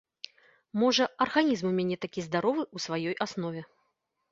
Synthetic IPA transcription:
mɔʐɐɐrɣanʲizmumʲanʲɛt̪akʲizd̪aɾɔvɨusvajɔjʔasnɔvʲɛ

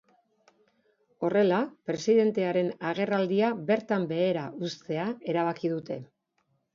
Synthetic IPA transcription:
o̞re̞lapɾe̞siðe̞nt̪e̞aɾe̞naɣe̞rald̪iaβe̞ɾt̪ambe̞ːɾaust̪e̞ae̞ɾaβ̞akið̞ut̪e̞

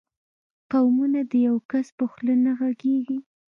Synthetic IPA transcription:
qawmunad̪əjawkaspəxlənaɣaɡeɡi

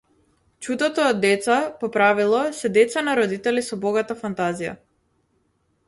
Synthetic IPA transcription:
t͡ʃud̪ɔt̪ɔːd̪ːɛt̪sapɔpɾavilˠɔsɛd̪ɛt̪sanaɾɔd̪it̪ɛlisɔbɔɡat̪afant̪azija̰

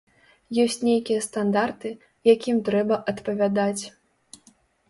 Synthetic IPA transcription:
jɔsʲt͡sʲnʲejkʲijɐst̪and̪art̪ɨ | jakʲimt̪ɾɛbɐʔɐt̪pɐvʲad̪at͡sʲ

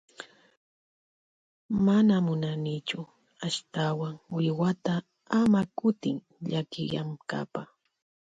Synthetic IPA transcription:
manamʊnanɪt͡ʃʊ | aʃt̪awaŋwɪjwat̪a | amakʊt̪ɪŋ | ʎakɪ̰ja̰mka̰pa

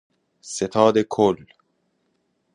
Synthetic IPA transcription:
set̪ʰɑːd̪ekʰolː

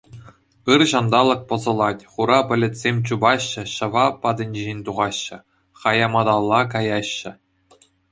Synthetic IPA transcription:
ɯrʑɑnd̪ɑlˠɤ̆k̚pɤ̆zɤ̆lˠɑtʲχuɾɑpʲɘ̆lʲɘ̆tʲsʲemʲt͡ɕubɑɕːɘ̆ɕɤ̆ʋɑpɑd̪ɘ̆nʲd͡ʑiʑenʲt̪uʁɑɕːɘ̆ | χɑjɑmɑd̪ɑlˠːɑkɑjɑɕːɘ̆

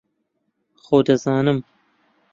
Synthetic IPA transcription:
xoːd̪ɐzɑːnɨm

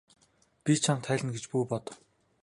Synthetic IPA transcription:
pʲit͡ɕʰamt̪ʰæːɮʲɘ̆nɡet͡ɕpuːpɔt̪̆

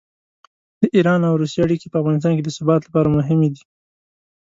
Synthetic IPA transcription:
d̪̥əʔiɾɑnawɾusjeaɽikepəafɣɑnɪs̬t̪ɑnked̪əsʊbɑt̪lapɑɾamʊɦɪmed̪i

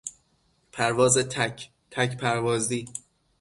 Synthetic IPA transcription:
pʰæɾvɒːzet̪ʰ | t̪ʰæcpʰæɾvɒːzd̪iː

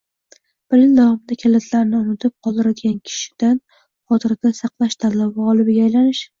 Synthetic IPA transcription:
b̥ɪlɪnd̪ɒwɨmɪd̪akʲʰalat̪ʰlaɾɪnɪʊnɪt̪ʰɪp̚qʰɒlˠd̪ɪɾad̪ɪɡʲankʲʰɪ̥ʃɪ̥d̪̥an | qɒt̪ʰɪɾɪd̪asɑqlˠaʃd̪alːawaʁɒlˠɪbɪɡʲaajlanɪʃ

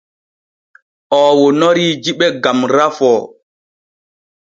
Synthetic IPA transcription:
ʔɔːwonɔɾid͡ʒiɓɛɡamɾafɔː

